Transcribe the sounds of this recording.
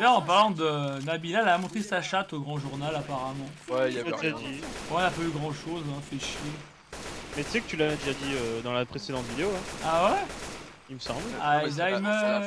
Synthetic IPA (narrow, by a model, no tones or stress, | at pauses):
jaɑ̃paʁlɑ̃d̪ənabilalamɔ̃t̪χesaʃat̪oɡʁɑ̃ʒuʁnalapaʁamɑ̃wɛaeʒad̪iɔ̃ɔ̃napayɡʁɑ̃ʃozɛ̃fɛʃje | mɛt̪y̥sɛkət̪ylavɛd̪eʒad̪iød̪ɑ̃lapχesed̪ɑ̃t̪vid̪eoaawɛ | ilməsɑ̃blad̪ajmə